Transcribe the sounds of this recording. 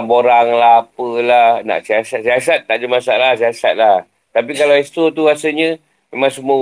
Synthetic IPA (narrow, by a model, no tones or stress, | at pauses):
boɾaŋlaɦapəlahna̰ʔsiasat̪̚siasat̪̚ːaʔd͡ʒəmasaalasiasat̪̚lah | t̪apikalawɛst̪ot̪uasəɲə | memãŋsəmu